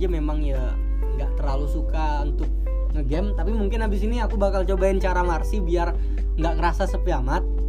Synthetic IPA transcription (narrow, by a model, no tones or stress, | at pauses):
d͡ʒamemaŋja | ŋɡa̰ʔt̪ərlalusuka | unt̪ʊk̚ | ŋəɡɛmt̪apimuŋkɪnabɪsiniakubakalt͡ʃobaint͡ʃaɾamarsibiar | ŋɡaʔkəɾasasəpiamat̪̚